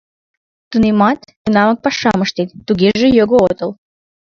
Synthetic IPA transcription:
t̪unemɑt̪k̪unɑmək̚pɑʃɑməʃt̪et̪ːuɣeʒejoɣoot̪ɤ̆l

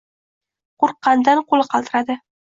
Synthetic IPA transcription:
qoɾqːɑnd̪anqʰolˠɪqʰɑlˠt̪ɪɾad̪ɪ

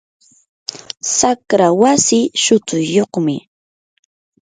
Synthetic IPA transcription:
sakɾawasɪʃʊt̪ʊjjːoχmɪ

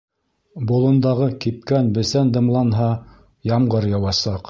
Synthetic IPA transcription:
bŏlˠɤ̆nd̪ɑʁɤkip̚kænbɘ̆sænd̪ɤ̆mlˠɑnɦɑ | jɑmɢɤɾjɑwɑsɑq

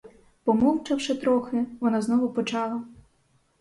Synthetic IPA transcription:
pɔmɔwt͡ʃɐwʃɪt̪ɾɔxɪʋɔnɑznɔɦʊpɔt͡ʃɑlˠɐ

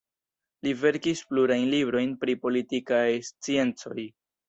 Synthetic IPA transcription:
live̞ɾkispluɾajnlibɾo̞jnpɾipo̞litikajst͡sie̞nt͡so̞j

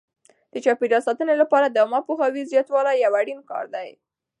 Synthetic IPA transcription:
d̪̥ət͡ʃɑpeɾɑsɑt̪ənelapɑɾad̪amɑpoxɑwizjɑt̪wɑlajawaɽinkɑ̰ɾd̪aj

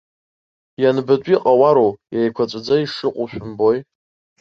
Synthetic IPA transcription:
janbɨt͡ɕʷʼiqʼawaɾowjajkʷʰat͡sʷʼad͡zaiʂɨqʷʼʊʃʷᶣʊmboj

